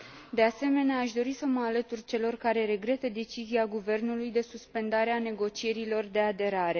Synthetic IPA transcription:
d̪e̞ase̞me̞neaːʃd̪o̞ɾisəməalət̪urt͡ʃe̞lo̞rkaɾe̞ɾe̞ɡɾe̞t̪əd̪e̞t͡ʃiziaɡuve̞rnulujd̪e̞suspe̞nd̪aɾeane̞ɡo̞t͡ʃije̞ɾilo̞rd̪e̞ad̪e̞ɾaɾe̞

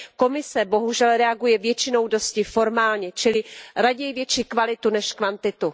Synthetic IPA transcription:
ko̞mɪsɛbo̞ɦuʒɛlɾɛaɡujɛvjɛt͡ʃɪno̞wdo̞scɪfo̞ɾmaːlɲɛt͡ʃɪlɪɾaɟɛjvjɛt͡ʃikvalɪt̪unɛʃkvant̪ɪt̪u

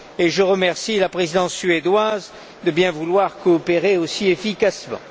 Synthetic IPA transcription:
eʒəʁəmɛʁsilapχezid̪ɑ̃sːɥed̪waz | d̪əbjɛ̃vulwaʁkɔːpeʁeosiefikasmɑ̰̃

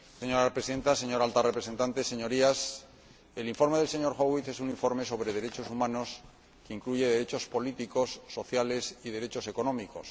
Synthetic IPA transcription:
seɲo̞ɾaepɾesiðe̞nt̪ase̞ɲo̞ɾalt̪arepɾe̞se̞nt̪ant̪e̞se̞ɲo̞ɾias | e̞liɱfo̞ɾme̞ð̞e̞lse̞ɲo̞ɾxoɣwiθe̞suniɱfo̞ɾme̞so̞β̞ɾeð̞e̞ɾe̞t͡ʃo̞sumãno̞s | keiŋkluʝe̞ðe̞ɾe̞t͡ʃo̞spo̞lit̪iko̞sːo̞θjale̞sið̞e̞ɾe̞t͡ʃo̞se̞ko̞nõ̞miko̞s

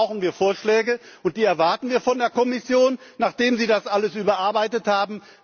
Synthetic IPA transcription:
ʊxn̩viːɐfoːɐʃlɛːɡəʔʊnt̚d̥iːɛɐvaɐtn̩viːɐfɔndeːɐkɔmɪsjoːnːaːχd̥eːmziːdasʔaləsʔyːbɐʔaɐbaɪtəthaːbm̩

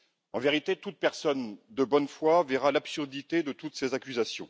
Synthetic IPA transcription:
ɑ̃veʁit̪et̪ut̪̚pɛʁsɔnd̪əbɔnfwavɛʁalapsyʁd̪it̪ed̪ət̪ut̪sezakʲyzasjɔ̰̃

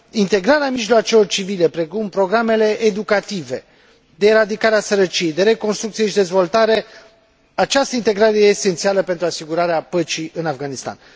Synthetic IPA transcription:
int̪e̞ɡɾaɾeamiʒloat͡ʃelo̞rt͡ʃivile̞pɾe̞kumpɾo̞ɡɾame̞le̞ʔed̪ukat̪ive̞̰ | d̪e̞ːɾad̪ikaɾeasəɾət͡ʃije̞jd̪e̞ɾe̞ko̞nst̪ɾukt̪sije̞ʃid̪e̞zvo̞lt̪aɾe̞ | at͡ʃast̪əint̪e̞ɡɾaɾe̞jeːse̞nt̪sialəpe̞nt̪ɾuasiɡuɾaɾeapət͡ʃiʔɨnafɡanist̪a̰n

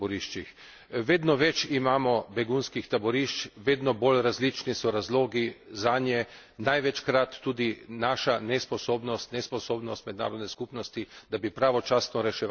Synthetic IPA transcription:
bɔɾiʃt͡ʃix | ʋeːd̪nɔʋɛt͡ʃimaːmɔbɛɡunskixt̪abɔɾiʃt͡ʃʋeːd̪nɔbolɾazlit͡ʃnisɔɾazloːɡizaːnjɛ | najʋɛt͡ʃkɾat̪ːuːd̪inaʃanɛspɔsoːbnɔst̪nɛspɔsoːbnɔst̪mɛd̪na̰ːɾɔd̪nɛskupnɔst̪id̪̥abipɾaːʋɔt͡ʃasnɔɾɛʃɛ

